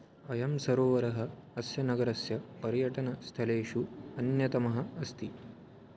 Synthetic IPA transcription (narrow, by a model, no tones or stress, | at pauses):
ɐjɐmsɐɾoːʋɐɾɐɦɐːsjɐnɐɡɐɾɐsjɐpɐɾjɐʈɐnɐst̪ʰɐleːʃuɐnjɐt̪ɐmɐɦɐ̆ɐst̪i